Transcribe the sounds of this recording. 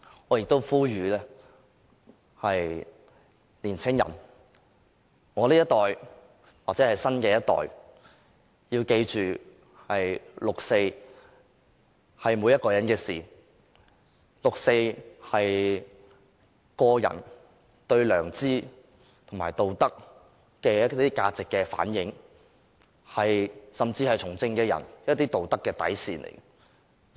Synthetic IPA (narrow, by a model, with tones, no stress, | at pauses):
ŋɔː˨˧jɪ˨k̚t̪o˥wfuː˥jyː˨˧lɛː˥ | hɐ˨j | liː˨˩nt͡sʰɪ˥ŋjɐ̰˨˩n | ŋɔː˨˧liː˥jɐ˥t̪ɔː˨j | waː˨k̚t͡sɛː˨˧˥hɐ˨jsɐ˥nkɛː˧jɐ˥t̚t̪ɔ̰ː˨˩j | jiː˧wke˧jt͡ʃyː˨ | hɐ˨jlʊ˨k̚se˧j | hɐ˨jmu˨˧jɐ˥t̚kɔː˧jɐ˨˥nkɛː˧siː˨˩ | lʊ˨k̚se˧jhɐ˨j | kɔː˧jɐ̰˨˩n | t̪ɵ˧ɥlœː˨˩ŋt͡siː˥ | t̪ʰʊ˨˩ŋmaː˨˩jt̪o˨wt̪ɐ˥k̚ | kɛː˧jɐ˥t̪iː˥kaː˧t͡sɪ˨kːɛː˧fa̰ː˨˥njɪ˨˥ŋ | hɐ˨jsɐ˨mt͡siː˧hɐ˨jt͡sʰʊ˨˩ŋt͡sɪ˧ŋkɛː˧jɐ̰˨˩njɐ˥t̚t̪iː˥t̪o˨wt̪ɐ˥kːɛː˧t̪ɐ̰˨˥jsiː˨nʔḛ˨˩j